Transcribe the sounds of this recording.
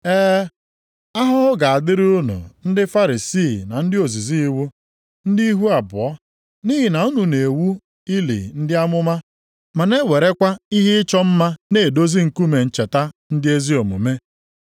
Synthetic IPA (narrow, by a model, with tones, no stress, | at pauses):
eː˦ | a˦ɦʊ˦ɦʊ˦ɡa˨a˨dɪ˦ɾʊ˦nṵ˨n̩˦dɪ˦fa˦ɾi˨si˦˨na˨n̩˦dɪ˦o˨zi˨zi˦i˦wu˦ | n̩˦di˦i˦ɦu˦a˨bʊ̰˨ɔ˦ | ni˦ɦɪ˨na˨u˦nu˨ne˨wu˦ | i˦lḭ˨n̩˦dɪ˦a˦mʊ˦ma˦ | ma˨ne˦we˨ɾe˦kʷa˦i˦ɦɪ˦ɪ˦t͡ʃɔ˦m̩˦ma˦ne˨do˦zi˦ŋ̩˨ku˦me˨n̩˦˨t͡ʃe˨ta˦n̩˦dɪ˦e˦zi˦o˨mṵ˨me˦